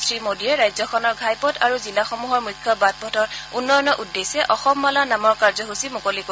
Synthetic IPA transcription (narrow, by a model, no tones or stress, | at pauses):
sɹimodiɹɛɹajzɔkʰɔnɔɹɡʱajpɔtʰaɹuzilaxɔmuɦɔɹmukʰjɔbat̚bʱɔtʰɔɹunːɔjɔnɔʔudːesɛʔɔxɔmːalanamɔɹkaɹzɔɦusimukoliko